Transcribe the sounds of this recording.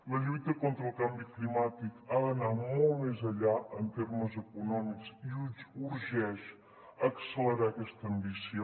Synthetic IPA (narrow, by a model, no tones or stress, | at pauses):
ləʎujt̪əkont̪ɾəlˠkambiklimat̪ikaðənamolˠmezəʎaʔənt̪erməzəkunɔmikziuzuɾʒɛʃ | əksələɾakɛst̪əːmbisjo